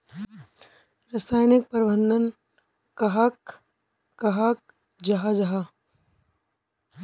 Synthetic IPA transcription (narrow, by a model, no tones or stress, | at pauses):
ɾɐsaːjnɪk̚pɐɾbə̃nd̪ʱən | kɐɦakː | ɐɦak̚ | d͡ʒɐɦad͡ʒɐɦa